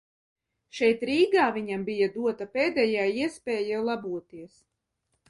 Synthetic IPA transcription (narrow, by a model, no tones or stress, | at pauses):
ʃɛjt̪ɾiːɡaːviɲambijad̪uɔt̪apeːd̪ɛːjaːiɛspʲɛːjalˠabuɔt̪iɛs